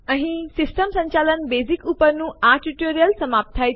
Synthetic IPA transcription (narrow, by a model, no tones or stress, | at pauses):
ɐ̃ɦĩsɪsʈəmsə̃ɲt͡ɕaːlənbeːzikupəɾnũːaɾʈiʈoːɾijəlsɐmaːp̚t̪ʰaːi